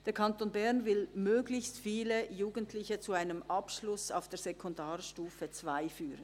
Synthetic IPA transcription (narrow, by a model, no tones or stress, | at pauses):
d̥eːɐkʰɑntoːnbɛʁnvɪlmøːɡlɪçstfiːləjuːɡəntʰlɪçət͡suaɪnəmʔɑpʃlʊsa̰ʊfd̥eːɐz̥ɛkʰɔndaːʁʃtuːfət͡sv̥aɪfyːʁən